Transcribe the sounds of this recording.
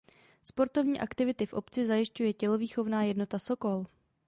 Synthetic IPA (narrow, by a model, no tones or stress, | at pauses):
spo̞ɾt̪o̞vɲiːʔakt̪ɪvɪt̪ɪfʔo̞̰pt͡sɪzajɪʃcujɛcɛlo̞viːxo̞vnaːjɛdno̞t̪aso̞ko̞l